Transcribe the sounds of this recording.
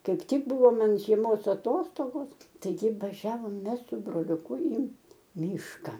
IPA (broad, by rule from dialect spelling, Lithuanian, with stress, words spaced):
ˈkɐɪp ˈtʲɪk ˈbʊʋoː ˈmɐn ʒʲiɛˈmoːs ɐˈtoːstoːɡoːs tɐɪˈɡʲɪ ʋɐˈʒʲæːʋoːm ˈmʲɛs sʊ broːlʲʊˈkʊ iː ˈmʲiːʃkɐ